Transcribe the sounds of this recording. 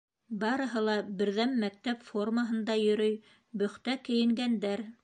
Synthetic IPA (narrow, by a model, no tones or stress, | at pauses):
bɑɾɤ̆ɦɤlˠɑbɘ̆ɾðæmːæk̚t̪æpfo̞rməɦɤ̆nd̪ɑjɵ̆ɾɵj | bɵ̆χt̪ækɘ̆jɘ̆ŋɡænd̪æɾ